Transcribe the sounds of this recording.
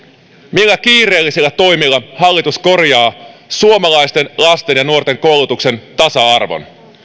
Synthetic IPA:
milːæk̟iːre̞ːlːisilːæt̪o̞jmilːɑhɑlːit̪usko̞rjɑːsuomɑlɑjst̪e̞nlɑst̪e̞njɑnuort̪e̞ŋko̞wlut̪ukse̞nt̪ɑsɑɑrʋo̰n

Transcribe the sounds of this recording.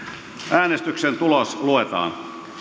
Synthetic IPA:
ʔæːnest̪yksent̪ulosluet̪ɑ̰ːn

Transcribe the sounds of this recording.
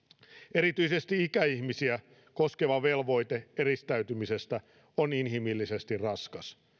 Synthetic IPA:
e̞ɾit̪yise̞st̪iikæiçmisiæ | ko̞ske̞ʋɑʋe̞lʋo̞jt̪ee̞ɾist̪æyt̪ymise̞st̪æ | oninɦimilːise̞st̪irrɑskɑs

